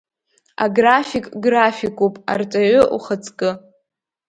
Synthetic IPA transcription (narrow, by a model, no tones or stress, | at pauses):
a̰ɡrafikʼɡrafikʼupʼa̰rt͡sʼaʕʊʔṵχət͡sʰʼkʼɨ